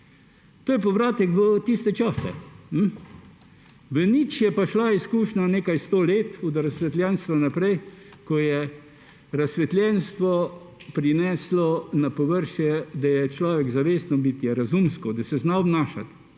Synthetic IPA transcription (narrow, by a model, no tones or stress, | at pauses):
t̪oːjɛp̬ɔʋɾaːt̪ɛkʋət̪ist̪ɛt͡ʃaːsɛ̰m̩ | ʋənit͡ʃjɛpaʃlaiskuːʃnaneːkajst̪oːleːt̪ɔd̪ɾasʋɛt̪ljɛnst̪ʋanapɾɛj | kɔjɛ | ɾasʋɛt̪lʲjɛnst̪ʋɔ | pɾinɛːslɔnapɔʋəɾʃjɛd̪ajɛt͡ʃlaːʋɛɡzaʋeːsnɔbit̪jɛɾazumskɔd̪ɐsɛznaɔbnaːʃa̰t̪